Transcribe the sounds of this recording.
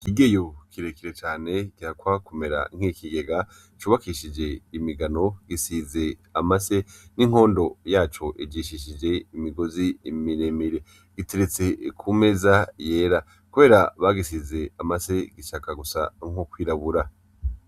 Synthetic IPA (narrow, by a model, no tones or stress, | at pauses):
kiɡe̞jo̞kʰiɾe̞kiɾe̞t͡ʃaːne̞kihakwaːkome̞ɾa̰ŋ̥hiːkiɡe̞ɡa | t͡ʃuːβakiʃid͡ʒe̞imiɡano̞ɡisize̞amase̞niŋ̥o̞ːndo̞jaːt͡ʃo̞ʔid͡ʒiːʃiʃid͡ʒe̞imiɡo̞zimiɾemiɾe̞ | ɡ̥iteɾet͡se̞kʰume̞zaje̞ːɾa | kuβe̞ːɾaβaɡisize̞amase̞ɡiʃakaɡusa̰ŋokwiːɾaβuɾa